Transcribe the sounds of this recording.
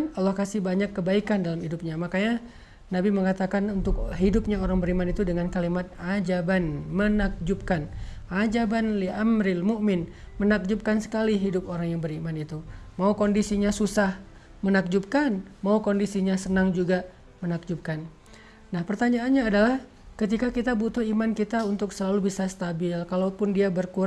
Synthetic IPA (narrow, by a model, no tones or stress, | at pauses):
nalːahkasɪhbaɲakːəbaikandalamhidup̚ɲamakaɲa | nabiməŋat̪akanunt̪ʊkɦidʊp̚ɲaoɾaŋbəɾimanit̪udəŋankalimat̪̚ad͡ʒabanmənak̚d͡ʒup̚kanʔad͡ʒabanliamɾɪlmuʔmɪnmənak̚d͡ʒʊp̚kansə̥kaliɦidʊpoɾaŋjaŋbəɾimanit̪umaukondisiɲasusah | mənak̚d͡ʒup̚kanmaukondisiɲasənaŋd͡ʒuɡa | mənak̚d͡ʒup̚kan | nahpərt̪aɲaːnɲaːdalah | kət̪ikakit̪abut̪ʊhimankit̪aunt̪ʊksəlalubisast̪abɪllkalawpʊndiabərkuɾ